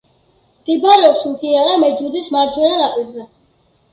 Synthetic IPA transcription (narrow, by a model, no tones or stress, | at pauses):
ɡ̪̥ibaɾɛɔpsmt̪ʰiaɾamɛd͡ʒud̪ismaɾd͡ʒwɛnanapʼiɾzɛ